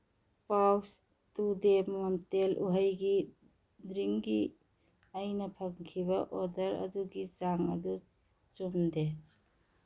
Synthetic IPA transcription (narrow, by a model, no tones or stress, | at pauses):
paws | tudemamtelʔuɦəjɡi | dɾiŋɡi | ajnɐpʰɐŋkʰibɐʔɔdɐɾɐ̰duɡid͡ʒaŋɐ̰du | t͡ʃumde